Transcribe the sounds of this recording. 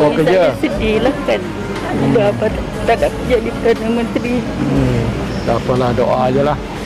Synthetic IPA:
əikətd͡ʒasədilahkan | iaapat̪ | t̪aʔdaʔkəd͡ʒadipədanamənt̪ɾi | t̪apəlahdoʔad͡ʒəlah

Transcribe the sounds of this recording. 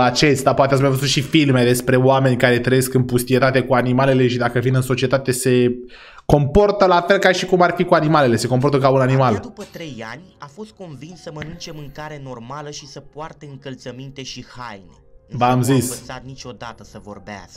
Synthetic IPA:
at͡ʃe̞st̪apoat̪easumeavəzut̪ʃifilme̞d̪e̞spɾe̞oame̞nʲkaɾe̞t̪ɾəjeskɨnpust̪ije̞t̪at̪e̞kuanimale̞le̞ʃid̪akəvinɨnso̞t͡ʃie̞t̪at̪e̞se̞ | ko̞mpo̞rt̪əlafe̞lkaʃikumarfikuanimale̞le̞se̞ko̞mpo̞rt̪əkaunanimald̪upət̪ɾe̞janʲafo̞st̪̚ko̞nvinssəmənɨnt͡ʃe̞mɨŋkaɾeno̞rmaləʃisəpoart̪eɨŋkəlt̪səmint̪e̞ʃihajnebamzissat̪̚nit͡ʃʲo̞d̪at̪əsəvo̞̰rbea̰sk

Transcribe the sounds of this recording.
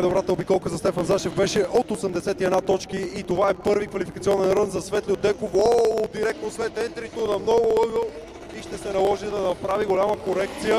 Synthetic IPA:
d̪obɾat̪əobikɔlˠkəzɐst̪ɛfɐnzaʃɛvbɛʃɛʔot̪osəmd̪ɛsɛt̪iɛd̪nat̪ɔt͡ʃkiːt̪ovaɛpɤɾvikvɐlifikɐt̪siɔnɛnɾɤnzɐsvɛt̪lʲiod̪ɛkovɔlˠod̪iɾɛk̚t̪noslɛt̪ɛnt̪ɾit̪onɐmnɔɡʊəɡə | iʃt̪ɛsɛnɐlˠɔʒid̪ɐnɐpɾaviɡolʲaməkoɾɛk̚t̪sijə

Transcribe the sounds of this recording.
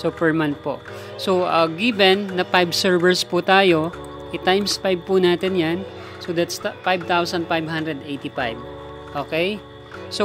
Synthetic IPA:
supɛɹmant̪̚po̰ | soʔɐɡibɛnːɐpajbsɛɹvɛɹsput̪aːjo̞ | ʔɛt̪ajmspajb̚punaːt̪ɛnjan | sod̪at̪st̪fajb̚t̪awsɐnd̪fajbhand̪ɾɛd̪ejt̪ipajb | ʔoːkɛj | so

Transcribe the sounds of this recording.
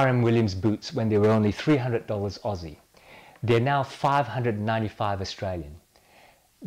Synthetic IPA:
ɹə̃mwɪlˠjə̃mzbutswɛ̃nðewə˞õʊ̃nliθɹiːɦʌ̃ndɹədɔlˠəzɔzi | ðənaʊfaɪv̥hʌ̃ndɹədnːãɪ̃tifaɪvəstɹ̥elˠjə̰̃n | ð

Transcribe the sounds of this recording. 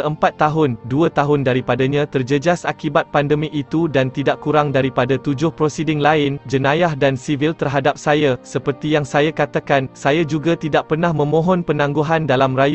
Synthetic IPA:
əmpat̪ːaɦʊnduət̪aɦʊndaɾipadaɲãt̪ərd͡ʒəd͡ʒasakibat̪̚pandəmĩʔit̪udant̪idaʔkuɾaŋdaɾipadat̪ud͡ʒʊhpɾosidɪŋlaɪnd͡ʒənãjahdansivilt̪ərɦadap̚sajasəpərt̪ijaŋsajakat̪akansajad͡ʒuɡat̪idaʔ̚pərnahmə̃mɔ̃ɦɔnpənãŋɡuɦandalamraj

